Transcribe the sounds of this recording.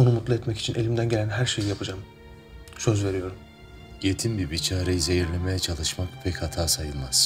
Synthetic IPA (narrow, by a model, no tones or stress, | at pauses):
o̞numut̪lˠɯɛt̪mɛci̥t͡ʃʰine̞lʲimd̪ænɟe̞lʲænɦæɾʃe̞jijapʰɯd͡ʒaːm | søzve̞ɾijo̞ɾum | jet̪ʰinbibit͡ʃʰaːɾejize̞jiɾlʲemejɛt͡ʃʰalˠɯʃmakpʰɛchat̪ʰaːsajɯlˠmaz̥